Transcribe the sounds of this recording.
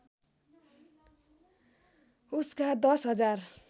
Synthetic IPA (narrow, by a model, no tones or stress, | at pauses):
uskad̪ʌsɦʌd͡zar